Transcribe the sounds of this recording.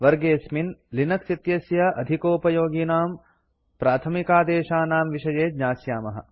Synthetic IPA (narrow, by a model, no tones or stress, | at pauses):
ʋɐɾɡeːsminlinɐksit̪jɐsjɐɐd̪ʱikoːpɐjoːɡiːnaːm | pɾaːt̪ʰɐmikaːd̪eːʃaːnaːmʋiʃɐjeːd̪ɲaːsjaːmɐɦɐ̰